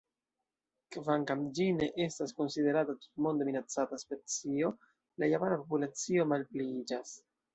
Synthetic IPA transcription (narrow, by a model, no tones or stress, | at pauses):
kvaŋkamd͡ʒine̞ʔe̞stasko̞nside̞ɾatatu̥tmo̞ndeminat͡sataspe̞t͡sio̞ | lajapanapo̞pulat͡sio̞malpliid͡ʒas